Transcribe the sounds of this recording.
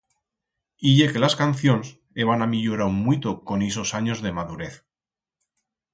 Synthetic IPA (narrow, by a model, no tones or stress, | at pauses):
iʝe̞ke̞laskanθjo̞ns | e̞βanamiʝoɾaumwit̪oko̞nisosaɲo̞zðe̞maðuɾe̞θ